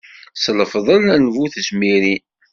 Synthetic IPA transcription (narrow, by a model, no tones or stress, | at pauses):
sləfðˤəlænvuθəsmiɾi